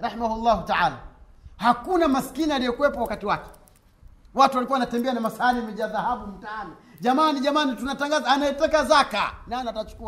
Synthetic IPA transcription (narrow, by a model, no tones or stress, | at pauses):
ɾahimahulːahutaʕaːla | hakunamasi̥kinialijɔkuwɛpɔwakatiwakɛ̥ | watuwalikuwawanatɛmbɛanamasanimɛʄaðahaɓum̩tanɔʄamaniʄamanitunataŋɡazaːnaɛtɛkazaka̰naːnatat͡ʃu̥kua